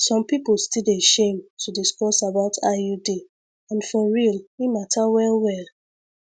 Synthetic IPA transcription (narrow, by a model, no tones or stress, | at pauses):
sɔ̃mpipolstileʃẽmtʰudiskɔsabaʊtʰaudi | ãnfɔɹilwimatʰawɛlwɛl